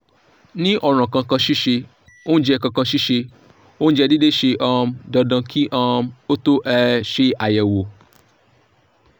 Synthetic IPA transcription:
nĩ˦ʔɔ˨ɾ̃ã˨kã˧kã˧ʃi˦ʃe˧ | o˦n̩˦d͡ʒɛ˧kã˧kã˧ʃi˦ʃe˧ | o˦ñ̩˦d͡ʒɛ˧di˦de˦ʃe˧ʔã˧m˧dɔ˧dã˧ki˦ʔã˧˦o˦to˦ʔɛ˧ʃe˦a˨jɛ˨wo˨

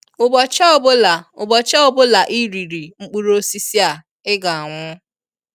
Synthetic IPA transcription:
ʊ˨bɔ˨t͡ʃa˦bʊ˦la˨ʊ˨bɔ˨t͡ʃa˦o˨bʊ˦la˨ʔi˦ɾi˨ɾi˨ŋ͡m̩˦k͡pu˦ɾo˦si˦si˦a˨ | ɪ˦ɡa˨a˨ŋʷʊ˦

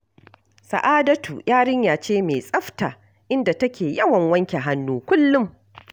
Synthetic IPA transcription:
sa̰˨ʔaː˦dɐ˦tṵ˨jaː˦ɽɪ˦ɲjaː˨t͡ʃeː˦meː˨sʼɐ˦ɸtaː˨ | ʔɪ˦nda˨tɐ˦kʲeː˨jɐ˦wɐ˨ŋwɐ˦ŋkʲe˨ɦa˦nːuː˦kʷʊ˦lːʊ˦m

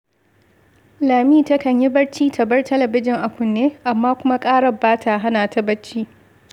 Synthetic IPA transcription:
laː˨miː˦˨tɐ˦kɐ˨ɲji˦bɐ˦ɽt͡ʃiː˦tʰɐ˨bɐ˦rtɐ˦lɐ˨bɪ˦d͡ʒɪ˨ŋʔa˨kʷʊ˨nːeː˦ʔa˨mːaː˦kʷʊ˦ma˦kʼaː˦ɽɐ˨baː˦tʰaː˨ɦa˦naː˨tɐ˦bɐ˦t͡ʃːiː˦

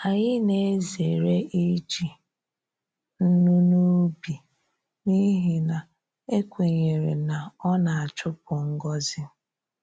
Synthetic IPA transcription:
a˨ɲɪ˦ne˦ze˨ɾe˦ʔi˦t͡ʃi˨ | n̩˦nu˦nu˦bi˨ | ni˦ɦi˨na˨ | e˦kʷe˨ɲe˨ɾe˨na˨ɔ˦na˨a˨t͡ʃʊ˦pʊ˨ŋ̩˦ɡɔ˦zɪ˦

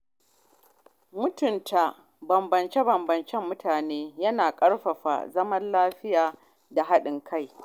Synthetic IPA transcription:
mʊ˦tʊ˨ntʰa˨ | bɐ˨mbɐ˨nt͡ʃe˦bɐ˨mbɐ˨nt͡ʃɛ˦mːʊ˦tʰaː˨neː˦jɐ˦naː˨kʼɐ˦ɽɸɐ˨ɸa̰˨zɐ˦mɐ˦nlaː˦ɸɪ˦jaː˨ | da˨ɦa˦ɗɪ˨ŋkʰa˦˨j

